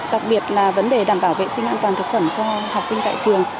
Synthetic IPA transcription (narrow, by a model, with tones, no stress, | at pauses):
ɗa˨˩k̚ɓi˨˩ət̚laː˨˩və˨˦nɗe˨˩ɗaː˧˩mɓaː˧˩wvḛ˧˨sï˧ŋ̟ʔaː˧nt̪waː˨˩nt̪ʰk̚fə˧˩nt͡ɕɔ˧haː˨˩p̚sï˧ŋt̪a̰ː˧˨t͡ɕɨ˨˩əŋ